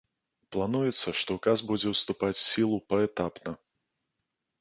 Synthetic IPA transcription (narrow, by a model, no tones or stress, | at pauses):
plˠanujɛt̪sːɐʂt̪ɔkazbud͡zʲɛwst̪upat͡sʲsʲilˠupɐɛt̪apnɐ